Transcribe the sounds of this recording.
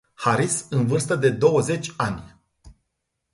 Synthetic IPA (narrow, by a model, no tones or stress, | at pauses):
haɾisɨnvɨrst̪əd̪e̞d̪o̞wəze̞t͡ʃʲanʲ